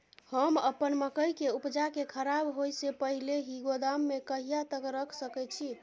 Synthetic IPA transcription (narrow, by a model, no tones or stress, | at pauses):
həməpənməkəjkeupd͡ʒakekʰəɾabɦojsepəɦileɦiɡod̪amːekəɦijat̪əkɾəkʰsəkɛt͡ʃʰi